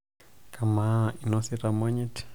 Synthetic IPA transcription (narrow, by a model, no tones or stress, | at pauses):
kʰamainɔsiɾamɔɲit